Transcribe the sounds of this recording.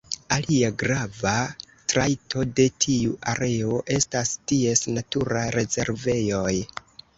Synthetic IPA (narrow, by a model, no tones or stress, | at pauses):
aliaɡɾava | tɾajtʰo̞de̞tʰiuʔaɾe̞o̞ʔe̞stastie̞snatuɾajɾe̞ze̞̰ɾve̞jo̞j